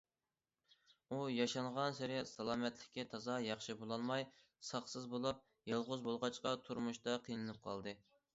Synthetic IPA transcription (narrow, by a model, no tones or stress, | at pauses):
ujɑʃɑɴʁɑnsɪɾɛsɑlˠɑːmɛt̪lɪ̥kʲːɛt̪ʰɑzɑjɑχʃɨbolˠɑnmɑj | sɑχsɨzbolˠup̚ | jɑlˠʁʊzbolˠʁɑt͡ʃqɑt̪ʰuɾmuʃt̪ɑqʰijnɨnɨp̚qʰɑ̰lˠd̪ɨ